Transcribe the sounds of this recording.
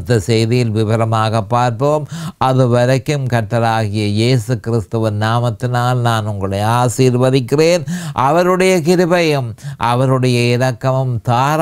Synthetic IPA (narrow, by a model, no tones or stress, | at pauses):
t̪ːɐsɛjðɪjɪlʋɪbɐɾɐmaːɣɐpːaːɾpoːmɐðɯʋɐɾɐkːɯmkɐʈːɐlaːɣɪjɐjeːsɯkɪɾɪst̪ɯʋɪnaːmɐt̪ːɪnaːlnaːnʊŋɡɐɭɐɪaːsiːɾʋɐðɪkːɪreːnʔɐʋɐɾɯɽɐjɐkɪɾɯbɐjɐmʔɐ̰ʋɐɾɯɽɐjɐɪɾɐkːɐmɯmt̪aːɾ